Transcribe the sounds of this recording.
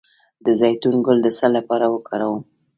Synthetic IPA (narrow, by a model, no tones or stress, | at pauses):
d̪əzajt̪unɡʊld̪əsalːapɑɾawəkʰɑɾawu